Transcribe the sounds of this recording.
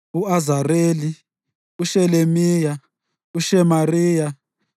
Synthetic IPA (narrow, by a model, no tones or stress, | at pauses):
uazareːli | uʃɛlemiːja | uʃɛmariːja